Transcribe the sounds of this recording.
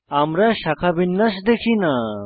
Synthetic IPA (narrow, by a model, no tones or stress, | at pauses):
amɾaɕakʰabinːasd̪ekʰina